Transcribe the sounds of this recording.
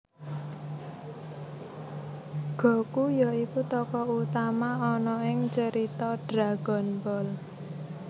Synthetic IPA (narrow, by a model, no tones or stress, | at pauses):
ɡ̥ɔ̤kujaikut̪ɔkɔut̪amaɔnɔɪŋt͡ʃəɾit̪ɔɖ̥ɾaɡ̥ɔnbɔl